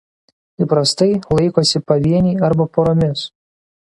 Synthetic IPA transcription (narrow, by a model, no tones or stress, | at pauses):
iˑpɾɐst̪ɐɪlˠɐɪkoːsʲɪpɐʋʲiɛnʲiːɐɾbɐpoɾomʲɪs